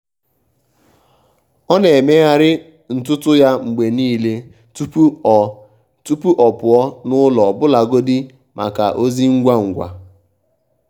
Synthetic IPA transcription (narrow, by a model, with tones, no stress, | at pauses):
ɔ˦ne˨me˦ɣa˦ɾɪ˦ | n̩˨tʊ˦tʊ˦ja˦ŋ͡m̩˨ɡ͡be˨niː˦˨le˦ | tu˦p | tu˦pu˦ʔɔ˨pʊ˨ɔ˦nʊ˦lɔ˨bʊ˦la˨ɡo˦di˦ | mʔa̰˨ka̰˨ʔo˦zi˦ŋ̩˦ɡʷa˦ŋ̩˨ɡʷa̰˨